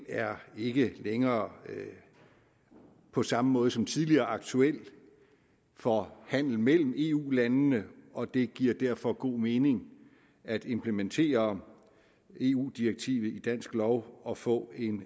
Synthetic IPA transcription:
æɐe̝ɡ̥əleŋɐː | pʰɒ̽sɑ̈məmɔ̽ːð̞ˠsɒ̽mt͡sʰiðˠliɐːɑ̈ɡ̥̚t͡sʰuel̰ | fɒhæn̰l̩mel̰m̩e̝ːṵːlænnəɒ̽d̥e̝ɡ̥iɐ̰d̥æɐ̰fɒ̽ɡ̥o̝̰ːme̝ːne̝ŋ | æd̥e̝mpʰləment͡sʰe̝̰ːɐ | e̝ːṵːd̥ieɡ̥̚t͡sʰḭːʋð̞̩ˠid̥æn̰sɡ̥lɒʊɒ̽fɔ̰̽ːe̝n

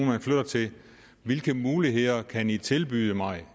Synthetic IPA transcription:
nmænfløɾ̥ɐt͡sʰe̝ | ʋelɡ̥əmuːliɦe̝ð̰ˠɐkʰænit͡sʰe̝lb̥yːðˠəmɑ̈ɪ

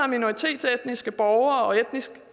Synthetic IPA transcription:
ɑ̈mino̝ʁit͡sʰe̝̰ːd̥t͡seed̥nisɡ̥əb̥ɒʊɐːɒ̽ed̥nis

